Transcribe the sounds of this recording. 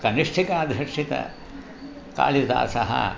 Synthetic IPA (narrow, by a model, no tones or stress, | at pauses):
kɐniʂʈʰikaːd̪ʱɾɐkʂit̪ɐ̰ | ka̰ːlid̪a̰ːsɐɦɐ̰